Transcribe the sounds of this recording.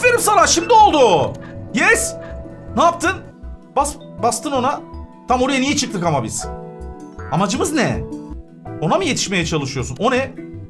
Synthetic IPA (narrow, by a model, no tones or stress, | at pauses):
ve̞ɾimsanaʃimd̪io̞lˠd̪ʊjɛsnaːp̚t̪ʰɯn | basbast̪ɯno̞nat̪ʰamoɾuɯjanijɛt͡ʃʰɯk̚t̪ʰɯkamabiz̥ | amad͡ʒɯmɯznɛ | o̞namɯje̞t̪ʰi̥ʃme̞jɛt͡ʃʰalˠɯʃɯjo̞suno̞nɛ